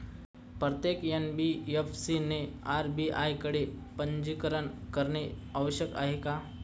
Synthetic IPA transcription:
pɾət̪jekenbiefsineaɾbiʔajkəɽepəɲd͡ʑikəɾəɳkəɾneaʋəɕjəka̰ɦeka

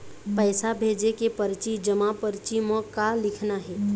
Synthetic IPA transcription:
pəːsabʱeːd͡ʒekepəɾt͡ʃid͡ʒəmapəɾɪt͡ʃimõkalɪkʰnaɦɛː

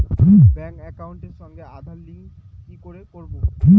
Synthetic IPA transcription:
kʰibɛŋkɛkawɳʈeɾʃɔŋɡead̪ʱaɾliŋks | kikoɾekoɾboʈʰi

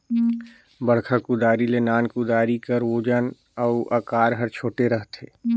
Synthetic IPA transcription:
bəɽkʰakʊd̪aːɾilenaːnkʊd̪aːɾikəɾʋoːd͡ʒan | əʊʔɐkaːɾɦəɾt͡ʃʰoːʈeɾəɦt̪ʰeː

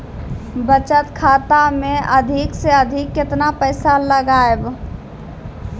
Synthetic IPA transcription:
bət͡ʃət̪kʰaːt̪amẽəd̪ʱikseəd̪ʱikːɪt̪napəɪsaləɡaːeb

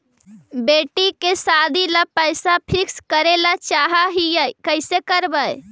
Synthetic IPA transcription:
beʈikesad̪ilapəjsapʰikskəɾelat͡ʃaɦaɦijəjkəɪsekəɾbəj

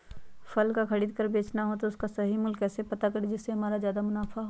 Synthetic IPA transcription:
fʰɐlkakʰɐɽiːd̪̚kəɾbeːt͡ʃnaɦot̪oʊskasɐɦimʊlkɛːsepɐt̪akɐɾid͡ʒɪsːeɦɐmaːɾazjaːd̪amʊnaːfaɦo

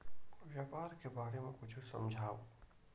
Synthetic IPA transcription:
ʋjaːpaːɾkebaːɾemẽkʊt͡ʃʰusɐ̰̃md͡ʒʱaːo

